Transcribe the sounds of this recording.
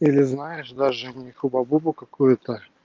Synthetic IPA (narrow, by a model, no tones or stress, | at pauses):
ilʲɪznajɪʂd̪aʐɨnʲɪxʊbɐbubʊkɐkujʊt̪ə